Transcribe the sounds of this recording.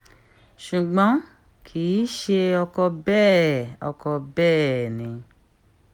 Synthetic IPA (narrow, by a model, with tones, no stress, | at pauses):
ʃu˨ɡ͡bɔ̃˨˦ | kʰi˨˦ʃe˧ɔ˧kɔ˧bɛː˦˨ɔ̰˧kɔ˧bɛː˦˨nĩ˨˧